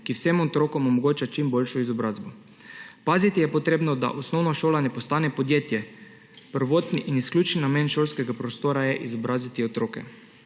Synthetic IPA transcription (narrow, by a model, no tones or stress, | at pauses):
kiwsemɔt̪ɾoːkɔmɔmɔɡoːt͡ʃat͡ʃimbolʃɔizɔbɾaːzbɔ | paːzit̪ijɛpɔt̪ɾeːbnɔd̪a̰ʔosnɔwnaʃoːlanɛpost̪aːnɛpod̪jeːt̪jɛ | pəɾʋoːt̪niʔinisklʲuːt͡ʃnːameːnʃolskɛɡapɾost̪oːɾajɛʔizɔbɾaːzit̪iot̪ɾoːkɛ̰